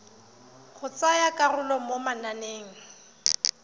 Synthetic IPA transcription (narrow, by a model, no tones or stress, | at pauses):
χʊt͡sajakʼarʊlɔmomananeːŋ̩